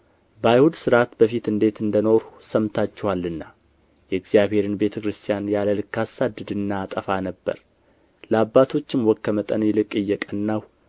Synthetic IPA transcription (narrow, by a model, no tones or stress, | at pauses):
bəajhud̪sɨɾat̪bəfit̪ɨnd̪e̞t̪ɨnd̪əno̞ɾusəmt̪ʰat͡ʃːɛwalːɨnːa | jɛɨɡzijaβhe̞ɾɨnbe̞t̪ʰəkɾɨst̪ʰʼjanjaləlɨkːasad̪ːɨd̪ɨnːaːt̪ʼəfanəbːə̰ɾ | ləabːat̪ʰo̞t͡ʃːɪmwɔkːəmət̪ʼənjɛlɨkʼːɨjːɛkʼənːaw